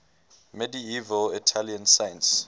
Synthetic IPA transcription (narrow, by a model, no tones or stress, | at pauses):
mɛdiivəlitʰaliãnsajə̃ns